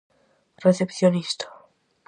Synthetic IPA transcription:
rɛθɛpθjonʲist̪ʰḁ

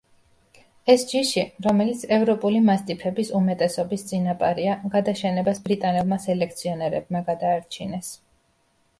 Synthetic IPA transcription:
ɛsd͡ʒiʃiɾɔmɛlit̪sʰɛvɾɔpʼulimast̪ʼipʰɛbisumɛt̪ʼɛsɔbist̪sʼinapʼaɾiaɡad̪aʃɛnɛbasbɾit̪ʼanɛlˠmasɛlɛkʰt̪sʰiɔnɛɾɛb̚maɡad̪aːɾt͡ʃʰinɛs

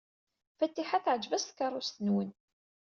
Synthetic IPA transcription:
fæt̪ːiħaθəʕəd͡ʒvæst̪kɑɾˤːʊst̪ənwən

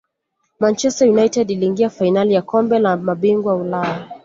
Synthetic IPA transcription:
mant͡ʃɛstajunajtɛdiliŋɡiafajnalijakɔmbɛlamaɓiŋɡwaulaja

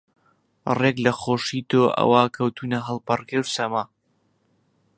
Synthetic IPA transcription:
reɡlɐχoːʃit̪oːʔɐ̰waːkʰɐwt̪ʰuːnɐɦəlˠpɐrkewsɐmaː

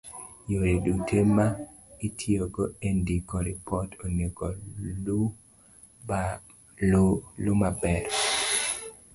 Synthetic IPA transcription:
joɾedutʰema | itʰioɡoendikɔɾipɔtoneko | lʊmabɛɾ

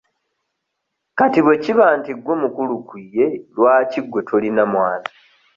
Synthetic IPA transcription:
katiβwe̞ciβaːntiɡːo̞mukulukije̞lwaːciɡwe̞tʰolinamwaːna

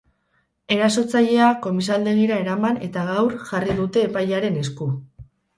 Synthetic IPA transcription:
e̞ɾaso̞t͡saʎe̞ako̞mis̬ald̪e̞ɣiɾae̞ɾamane̞t̪aɣawɾʝariðut̪e̞ːpajaɾe̞ne̞sku

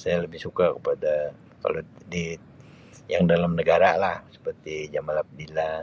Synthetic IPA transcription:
sajaləbɪhsukakəpada | ka̰lodi | jaŋdalamnəɡaɾalahsə̥pərt̪id͡ʒamalap̚dila

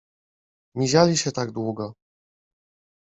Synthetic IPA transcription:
mʲiʑalʲiɕɛt̪aɡd̪wuɡɔ

